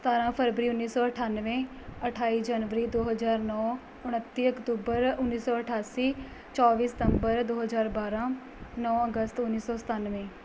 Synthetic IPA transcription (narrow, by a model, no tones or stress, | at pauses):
st̪aːɾãːpʰəɾbɾiːʊnːiːsɔːəʈʰaːnʋẽː | əʈʰaːiːd͡ʒaːnʋəɾiːd̪oːɦəzaːɾnɔː | ʊɽ̃ət̪ːiːəkt̪uːbəɾʊnːiːsɔːəʈʰaːsiː | t͡ʃɔːʋiːsɪ̥t̪əmbəɾd̪oːɦəzaːɾbaːɾãː | nɔːəɡəst̪ʊnːiːsɔːsə̥t̪anʋẽː